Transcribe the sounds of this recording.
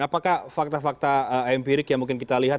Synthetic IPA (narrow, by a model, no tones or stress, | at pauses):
apakahfak̚t̪afak̚t̪aəɛmpiɾɪkjaŋmuŋkɪnkit̪aliɦa